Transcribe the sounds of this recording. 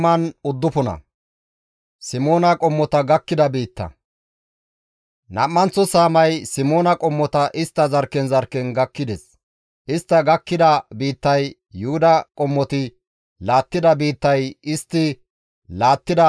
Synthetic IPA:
mɐnʊd̪ːʊpɔnɐ̰ | sɪmo̞ːnɐkʼɔmːɔt̪ɐɡɐkːɪd̪ɐbiːt̪ːɐ̰ | nɐ̰mːɐnt͡sːɔsaːmɐjsɪmo̞ːnɐkʼɔmːɔt̪ɐʔɪst̪ːɐzɐɾkɛnzɐɾkɛnɡɐkːɪd̪ɛs | ʔɪst̪ːɐɡɐkːɪd̪ɐbiːt̪ːɐjː | ʊhʊd̪ɐkʼɔmːɔt̪ɪ | laːt̪ːɪd̪ɐbiːt̪ːɐjɪst̪ːɪ | laːt̪ːɪd̪ɐ

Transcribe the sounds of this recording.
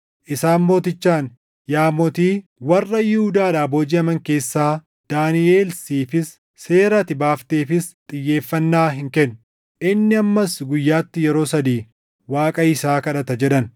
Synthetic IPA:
ʔɪsaːnmo̞ːt̪ɪt͡ʃːaːn | jaːmɔt̪iːwɐrːɐjɪhʊd̪aːᶑaːboːd͡ʒiːɐmɐŋke̞ːsːaː | d̪̥aːnɪe̞ːlsiːfɪsː | eːɾɐt̪ɪbaːft̪e̞ːfɪst̪ʼɪjːe̞ːfːɐnːaːɦɪŋkɛnː | ʔɪnːɪɐmːɐsɡʊjːaːt̪ːɪjɛɾo̞ːsɐd̪iː | waːkʼɐɪsaːkɐᶑɐt̪ɐd͡ʒɛᶑɐn

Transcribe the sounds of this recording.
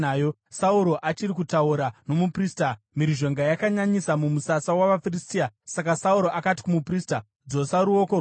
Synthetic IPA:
aːjo | sauɾo̞ʔat͡ʃirikutauɾano̞mupriːsta | miɾiʒo̞ŋɡajakaɲaɲisamumusasawaʋafiristiasakasauɾo̞ʔakati̥kumuprista | d͡zo̞saɾuo̞ko

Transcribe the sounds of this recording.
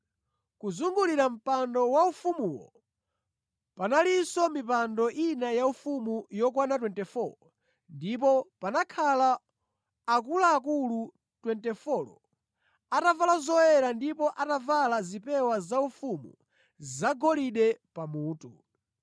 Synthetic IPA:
kuzuŋɡuliɾam̩pandɔwaufumuwɔ̰ | panalisɔmipandɔʔinajaufumujɔk̬wanatwɛntɛfɔlɔ | ndip̬ɔpanakʰalaː | k̬ulaːk̬ulu | twɛntɛfɔlɔ̰ | atavalazɔjɛɾandipɔʔatavalazipɛwazaufumṵ | zaɡɔliɗɛpamuːtu

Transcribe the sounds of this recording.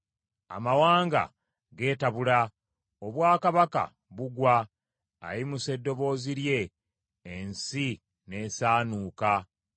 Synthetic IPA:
a̰mawaːŋɡa̰ | ɡe̞ːtaβula | oβwaːkaβaka̰ | βuɡwa̰ː | jimuse̞dːo̞βo̞ːziɾje̞ː | nsi | ne̞ːsaːnuːka

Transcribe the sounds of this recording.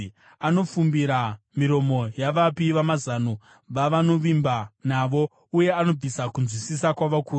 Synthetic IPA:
ano̞fumbiɾa | miɾo̞mo̞jaʋapiʋamazano | ʋaʋano̞ʋimbanaʋo̞ | uje̞ano̞b͡visakunzwisisakwaʋakuː

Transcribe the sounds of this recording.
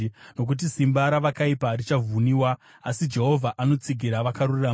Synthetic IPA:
no̞k̬ut̬isimbaɾaʋakaiparit͡ʃavʱuniwaː | sid͡ʒe̞ɦo̞vʱaʔano̞t͡siɡʱiɾaʋakarurira

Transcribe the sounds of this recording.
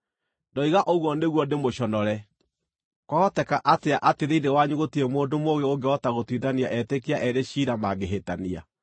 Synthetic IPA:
ndɔiɣaʔoɣwɔneɣwɔndemoɕɔnɔɾɛ | kwaɔtɛkaʔateaʔateðeidewaɲuɣotiɾemoːndomoɣeoŋɡeɔtaɣotwiðaniaʔɛtekiaʔɛɾeɕiːɾamaɡeɦetania̰

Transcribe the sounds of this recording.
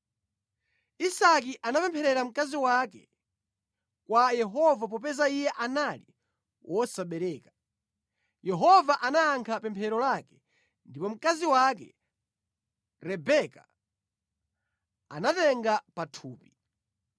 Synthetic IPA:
isak̬iʔanapɛmpʰɛɾɛɾam̩kaziwakɛ̰ | kwajɛɦɔvap̬ɔp̬ɛzaijɛʔanali | wʔɔsaɓɛɾɛːka | jɛɦɔvaʔanaːŋkʰapɛmpʰɛɾɔlakɛ̥ | ndipɔm̩kaziwakɛ̰ | ɾɛbɛka | anatɛŋɡapatʰuːpi

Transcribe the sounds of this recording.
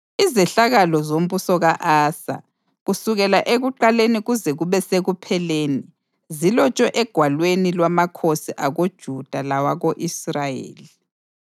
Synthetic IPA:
izɛɬaɣalɔzom̩busɔɣaʔaːsa̰ | ɣusuɣɛlaʔeɣuǃaleniɣuzɛɣuβɛseɣupʰɛleːni | zilɔt͡ʃʼɛʔɛɡ̥ʱwalwenilwamakʰosiʔaɣod̥ʒ̥ʱud̥ʱalawaɣoʔisrajḛːli

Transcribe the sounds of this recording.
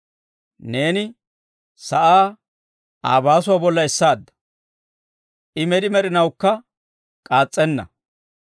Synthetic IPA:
ne̞ːnɪ | sɐʔaː | a̰ːbaːsʊwaːbɔlːɐɛsːaːd̪ːɐ̥ | ʔɪmɛd̪ɪmɛɾɪnɐwkːɐ | kʼaːt͡sʼːɛnːɐ̰

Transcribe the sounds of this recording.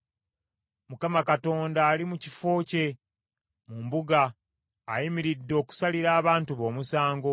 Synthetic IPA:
mukamakato̞ːndaːlimucifo̞ːce̞ | mumbuɡaː | jimiɾidːo̞ːku̥saliɾaːβaːntuβo̞ːmusaːŋɡo̞

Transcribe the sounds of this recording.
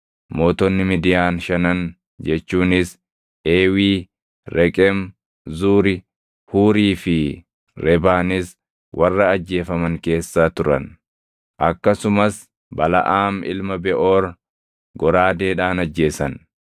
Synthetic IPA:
mo̞ːt̪ɔnːɪmid̪ɪjaːnʃɐnɐn | d͡ʒɛt͡ʃːuːnɪs | ʔeːwiː | ɾɛkʼɛm | zuːɾɪ | huːɾiːfɪ | ɾɛbaːnɪs | wʔɐrːɐːd͡ʒːe̞ːfɐmɐŋke̞ːsːaːt̪ʊɾɐ̰n | ʔɐkːɐsʊmɐs | bɐlɐ̰ʔaːmɪ̰lmɐbɛʔoːɾ | ɡɔɾaːd̪eːᶑaːnɐd͡ʒːe̞ːsɐn

